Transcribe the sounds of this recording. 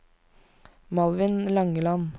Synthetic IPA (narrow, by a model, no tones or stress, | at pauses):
mɑlʋɪnlɑŋəlɑn